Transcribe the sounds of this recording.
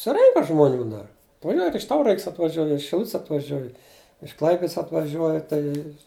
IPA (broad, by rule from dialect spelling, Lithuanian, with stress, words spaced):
sʊˈrʲɛŋkɐ ʒmoːˈnʲuː dɐr nʊ ˈjoː ɪr ɪʃ ˈtɐʊrɐksʲ ɐtʋɐˈʒʲuɔj ɪr ɪʃ ʃʲɪˈlˠʊtʲsʲ ɐtʋɐˈʒʲuɔj ɪʃ ˈklˠɐɪpʲɪts ɐtʋɐˈʒʲuɔjɛ tɐɪ